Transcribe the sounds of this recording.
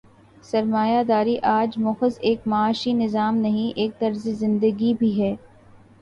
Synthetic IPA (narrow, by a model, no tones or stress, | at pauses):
sɐɾmaːjad̪aːɾiʔaːd͡ʒmʊxəzeːk̚mɐːʃinɪzaːmnɐɦĩʔeːk̚t̪ɐɾzezɪ̃nd̪əɡibʱiɦɛː